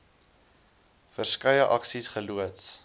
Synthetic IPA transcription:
fərskɐjəʔɐksisχəluəts

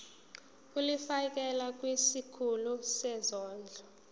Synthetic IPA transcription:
k̬ʼulifak̬ɛlak̬ʼwisikʰulusɛzɔːnd͡ɮʱɔ

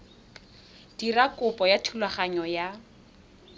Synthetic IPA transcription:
d̥irakʼʊpʼɔjatʰulwaχaɲɔja

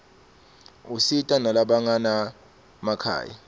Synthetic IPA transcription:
usitʼanalaɓaŋana | makʰa̰ːja̰

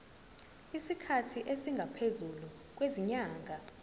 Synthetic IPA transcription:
isikʰatʰiʔesiŋɡʱapʰezulu | k̬weziɲaːŋʱa

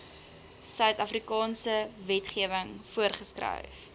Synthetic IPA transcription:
sœɥtɐfrikɑːnsəvɛtχiəvəŋfuərχəskrə̰jf

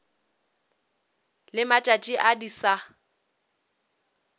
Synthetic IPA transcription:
lɪmat͡ʃʼat͡ʃʼiʔadisa

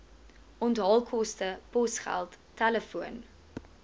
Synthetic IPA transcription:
ʔɔntɦɐlˠkʰɔstəpɔsχæ̰lˠtːæləfuən

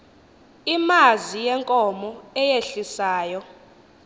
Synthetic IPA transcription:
imazijɛŋkʼɔmɔɛjeɬisaːjɔ

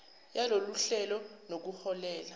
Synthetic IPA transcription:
jaloluɬɛlɔnok̬uhɔlɛːla

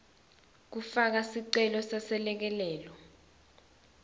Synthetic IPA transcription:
k̬ufak̬asiǀɛlɔsasɛlɛk̬ɛlɛːlɔ

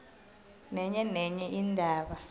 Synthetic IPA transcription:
nɛɲɛnɛɲɛʔindʱaːɓa

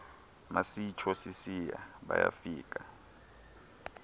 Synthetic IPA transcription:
masit͡ʃʰɔsisijaɓajafiːk̬ʼa

